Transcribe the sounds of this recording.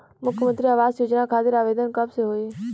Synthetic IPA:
mʊkʰjəmə̃nt̪ɾiaʋaːzjoːd͡ʒnakʰaːt̪ɪɾaːʋeːd̪ənkəbseɦoːe

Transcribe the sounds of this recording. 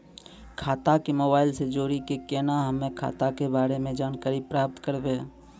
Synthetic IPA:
kʰaːt̪akemoːbaːɪlsed͡ʒoːɾikekeːnaɦəmẽkʰa̰ːt̪akebaːɾemẽd͡ʒaːnkaːɾipɾaːp̚t̪kəɾbeː

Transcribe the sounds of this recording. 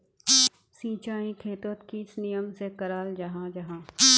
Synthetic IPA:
sĩːt͡ʃaːĩkʰeːt̪ət̪kisnijəmsekɐɾaːld͡ʒɐɦãd͡ʒɐɦãː

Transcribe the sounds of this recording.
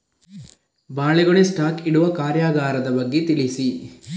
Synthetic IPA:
baːɭeɡoɭesʈaːkiɽuʋɐkaːɾjaːɡaːɾɐd̪ɐbɐɡːet̪iɭisi

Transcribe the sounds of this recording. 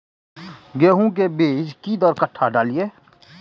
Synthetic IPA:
ɡeːɦũk̬ebeːd͡ʒkid̪ɔɾkəʈʰːaɖaːlieː

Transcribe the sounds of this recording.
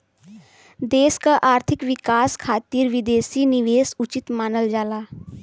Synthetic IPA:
d̪eːskaʔaːɾt̪ʰɪkʋikaskʰaːt̪iːɾʋid̪esiːniʋeːsut͡ʃit̪maːnəld͡ʒaːlaː

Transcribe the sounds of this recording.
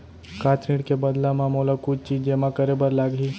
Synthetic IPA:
kãːt̪ʰniɽkebəd̪lamãmoːlakʊt͡ʃt͡ʃiːd͡ʒd͡ʒeːmãkəɾebəɾlaːɡɦiː

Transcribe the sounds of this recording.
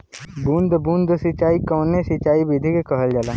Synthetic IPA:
bũːnd̪ʱbũːnd̪ʱsɪt͡ʃaːikɔːnesɪt͡ʃaːibid̪ʱikekəɦəld͡ʒaːlaː

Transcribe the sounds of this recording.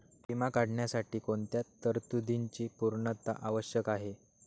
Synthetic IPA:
pimakaɽɳjasaʈiːkoɳt̪jat̪ːəɾt̪ud̪iɲt͡ɕiːpuɾɳət̪a̰ʔaʋəɕjəkaɦe

